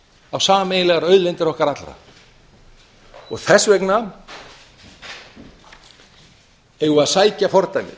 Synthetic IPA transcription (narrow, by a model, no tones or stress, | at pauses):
awsaːamejnɪlɛɣaɾœɥðlɛnt̪ɪɾɔhkaɾat̪lɾa̰ | ɔɣθɛsvɛkna | ɛɣʏaðsaːjcafɔɾt̪ajmɪ̰